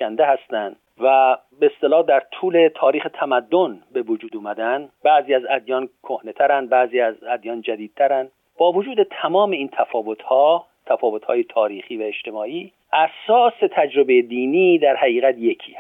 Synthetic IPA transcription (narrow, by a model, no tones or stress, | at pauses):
ænd̪ehæst̪ænd̪̥ | væ | beest̪e̞lɒːhd̪æɾt̪ʰuːle̞t̪ʰɒːɾiːxet̪ʰæmæd̪ːonbe̞vod͡ʒuːd̪uːmæd̪ænd̪bæziːæzæd̪jɒːnkʰohne̞t̪ʰæɾænd̪̚bæziːæzæd̪jɒːnd͡ʒæd̪iːd̪̚t̪ʰæɾænd̪ | b̥ɒːvod͡ʒuːd̪et̪ʰæmɒːme̞iːnt̪ʰæfɒːvo̞t̪hɒː | t̪ʰæfɒːvo̞t̪hɒ̰ːjet̪ʰɒːɾiːχiːvæeʃt̪e̞mɒːʔiː | ʔæsɒːse̞t̪ʰæd͡ʒɾo̞be̞jed̪iːniːd̪æɾhæɣiːɣæt̪jekʰiː